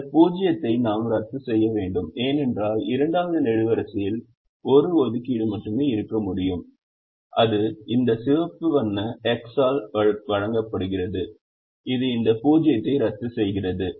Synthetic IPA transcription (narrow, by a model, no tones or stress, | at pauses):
puːd͡ʒɪjɐt̪ːɐɪnaːmɾɐt̪ːɯsɛjːɐʋeːɳɖɯmeːnɛndraːlɪɾɐɳɖaːʋɐðɯnɛɻɯʋɐɾɐsɪjɪl | ɔɾɯɔðɯkiːɽɯmɐʈːɯmeːɪɾɯkːɐmʊɽɪjɯm | ʔɐðɯɪnd̪ɐsɪʋɐpːɯʋɐnːɐɛksaːlʋɐɻɐŋɡɐpːɐɽɯɣɪrɐðɯ | ɪðɯɪnd̪ɐpuːd͡ʒɪjɐt̪ːɐɪɾɐt̪ːɯsɛjɣɪrɐðɯ